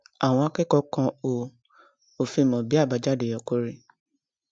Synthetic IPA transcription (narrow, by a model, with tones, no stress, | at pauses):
a˨w̃ɔ̃˧a˧˦kɛ˦kɔ˧kã˧o˨ | o˨fi˧˨mɔ̃˨bi˦a˦˨ba˧d͡ʒa˦˨de˨jɔ˨ko˦ɾi˦